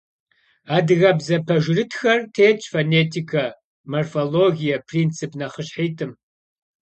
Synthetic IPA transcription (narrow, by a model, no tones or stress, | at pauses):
aːdɨɣɐbzɐpʰɐʒɪrɨtʰxɐrtʰeːt͡ʃʼfoneːtʰikʰɐ | morfoloɡʲijɐpʰrint͡sʰɨpʰnɐχəɕħiːtʰɨm